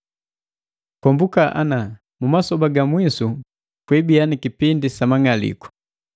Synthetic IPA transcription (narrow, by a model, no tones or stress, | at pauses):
kɔmbukaʔa̰na | mumasɔbaɡamwisu | kwɛbianikipindisamaŋalḭkɔ̥